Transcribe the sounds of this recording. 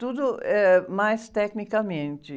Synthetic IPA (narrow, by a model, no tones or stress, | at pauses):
t̪ud̪ʊɛmajst̪ɛknikɐmẽnt͡ʃ̪ɪ